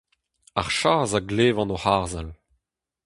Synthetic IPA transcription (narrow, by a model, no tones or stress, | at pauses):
aʁʃaːzaɡleːvɑ̃nohaːʁzal